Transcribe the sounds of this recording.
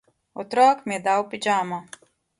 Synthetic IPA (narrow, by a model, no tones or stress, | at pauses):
ɔt̪ɾaːkmʲid̪awpid͡ʒaːma